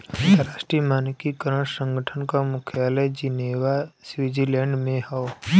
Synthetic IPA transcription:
ə̃nt̪əɾaːʃʈɾimaːnkikəɾəɽ̃sə̃ŋɡʱəʈʰənkamʊkʰjaːləd͡ʒineːʋasʋid͡ʒilɛ̃ːɳɖmẽhəo

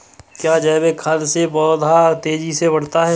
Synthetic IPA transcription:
kjaːd͡ʒɛːbekʰɐlsebɔːd̪ʱaːɾt̪eːd͡ʒisebɐɽ̤t̪aɦɛ

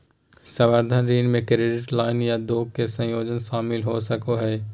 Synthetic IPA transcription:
sɐʋəɾd̪ʱənɾiːnmẽkɾeːɖɪʈlaːɪnjad̪oːɡ̚kesə̃joːd͡ʒənʃaːmɪlɦosɐkoɦɛː

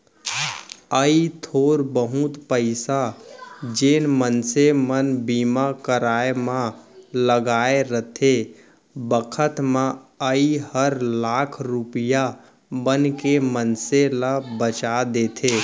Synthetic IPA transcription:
əit̪ʰoːɾbəɦut̪pəɪsa | d͡ʒenmənsemənbimakəɾaemãləɡaeɾət̪ʰe | bəkʰət̪mãəihəɾlaːkʰɾupija | bənkemənselabət͡ʃad̪et̪ʰe

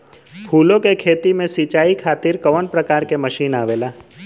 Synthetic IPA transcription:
pʰuːlõkekʰeːt̪imẽsit͡ʃaːikʰaːt̪ɪɾkɐʋənpɾɐkaːɾkemɐʃiːnaːʋeːlaː

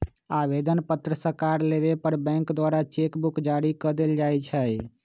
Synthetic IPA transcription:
aʋed̪ənpət̪ɾəsəɾkaɾlebepəɾbɛ̃ŋkd̪waːɾat͡ʃekbukd͡ʒaɾikəd̪eld͡ʒajt͡ʃʰə

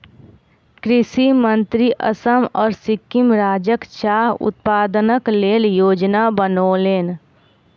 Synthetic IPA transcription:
kɾɪsimə̃nt̪ɾiʔə̰səmɔːɾsɪkːɪmɾaːd͡ʒəkt͡ʃaːɦʊ̰t̪̚paːd̪ənəkleːljoːd͡ʒnabənoːleːn

